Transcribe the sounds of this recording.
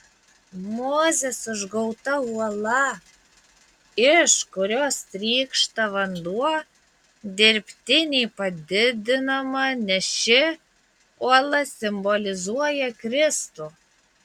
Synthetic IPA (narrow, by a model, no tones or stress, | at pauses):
moːzʲesʊʒɡoʊt̪ɐuɔlˠɐ | ɪʃkʊɾʲoːst̪ʲɾʲiːkʃt̪ɐβɐnd̪uɔ | d̪ʲɪɾʲpʲt̪ʲɪnʲepɐd̪ʲɪd̪ʲɪnɐmɐnʲɛʃʲɪ | uɔlˠɐsʲɪmbolʲɪzuɔjɛkɾʲɪst̪u